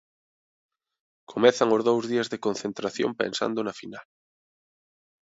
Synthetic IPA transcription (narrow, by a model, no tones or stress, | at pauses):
kʰomɛθaŋozðowzðiazðekonθent̪ɾaθjo̰mpḛnsa̰nd̪onɐfinal